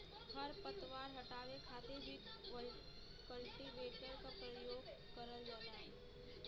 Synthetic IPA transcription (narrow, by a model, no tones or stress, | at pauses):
həɾpət̪ʋaːɾɦɐʈaːʋekʰaːt̪ebʱiʋəl | kəlʈiʋeːʈəɾkapɾəjoːɡ | kəɾəld͡ʒaːt̪aɦɛː